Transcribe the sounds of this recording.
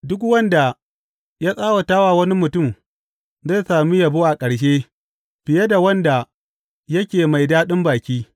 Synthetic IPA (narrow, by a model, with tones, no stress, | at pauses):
dʊ˦kwɐ˦nda˨ | jaː˦sʼaː˦wɐ˨taː˦waː˨wɐ˦ni˦mʊ˨tʊ˦˨m | za˦˨saː˨mi˦ja˨bu˦ʔa˨kʼɐ˨ɽʃ̬eː˦ | b̥ɪ˨je˦da˨wɐ˦nda˨ | jɐ˦kʲeː˨ma˨jdaː˦ɗɪ˦mbaː˨kʲiː˦